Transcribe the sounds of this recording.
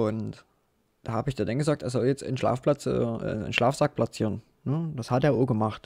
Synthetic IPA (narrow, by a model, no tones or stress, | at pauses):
ʔʊnt | d̥ahaːbəɪçd̥andanɡəzaːk̚tʔḛɐzɔljɛt͡stɪ̰nʃla̰ːfplat͡sʔɛ̰ːʔɛ̰ɪ̰nʃlaːfz̥ak̚plat͡siːʁən | nəd̥ashateːɐvoːɐɡəmaχt